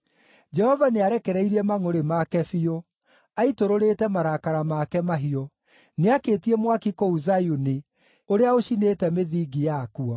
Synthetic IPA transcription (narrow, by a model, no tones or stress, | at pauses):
d͡ʒɛhɔvaneaɾɛkɛɾɛiɾiɛmaŋoɾemakɛfio | aitoɾoɾetɛmaɾakaɾamakɛmaɦiɔ | neakeːtiemwakikouzajuni | oɾeaoʃinetɛmeðiːɡijakuɔ